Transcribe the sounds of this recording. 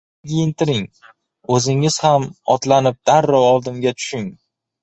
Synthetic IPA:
kʲʰijɪnt̪ɪɾɪŋ | ɵzɪŋɪz̥hamɒt̪lanɪp̚d̪̥aɾːɒwɒlˠd̪ɪŋɡʲat̪ʰʊ̥ʃɪŋ

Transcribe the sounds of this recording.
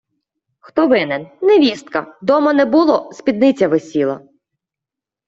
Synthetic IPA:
xt̪ɔʋɪnɛnnɛʋʲist̪kɐd̪ɔmɐnɛbulˠɔspʲid̪nɪt͡sʲɐʋesʲilˠɐ̰

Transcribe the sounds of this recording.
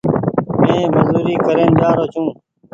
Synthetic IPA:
mẽːməzuːɾiːkəɾeːnd͡ʒaːɾoːt͡ʃʰũː

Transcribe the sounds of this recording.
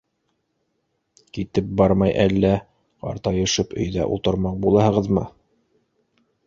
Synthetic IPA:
kit̪ɘp̚bɑɾmɑjʔælːæ | qɑ̰ɾt̪ɑjɤ̆ʃɤpɵ̰̆jðæ̰ʔṵlˠt̪ɤ̆ɾmɑq̚bulˠɑhɤ̆ʁɤðmɤ̰

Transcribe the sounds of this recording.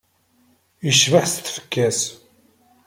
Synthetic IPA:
jəʃvəħst̪ːfə̥kːæs

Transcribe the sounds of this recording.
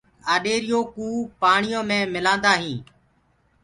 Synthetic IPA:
aːɗeːɾɪjoːkuːpaːɳɪjõːmẽːmɪlãːnd̪aːɦĩː

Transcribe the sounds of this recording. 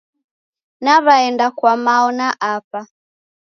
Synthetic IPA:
naβaɛndakwamaɔnaʔapa

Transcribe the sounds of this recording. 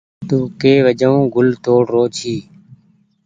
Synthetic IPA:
t̪ũːkeːʋəd͡ʒəõːɡʊlt̪oːɽɾoːt͡ʃʰiː

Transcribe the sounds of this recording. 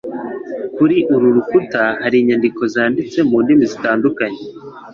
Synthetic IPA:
kuɾiʔuɾuɾukutahaɾiːɲandiko̞zaːndit͡se̞muːndimizitaːndukaɲe

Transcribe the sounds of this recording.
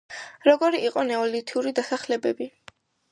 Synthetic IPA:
ɾɔɡɔɾiʔiqʼɔnɛɔlit̪ʰiuɾid̪asaχlɛbɛbi

